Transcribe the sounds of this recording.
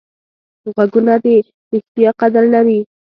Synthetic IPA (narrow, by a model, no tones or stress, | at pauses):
ɣaɡunad̪e | ɾɪxt̪ijɑqad̪aɾlaɾi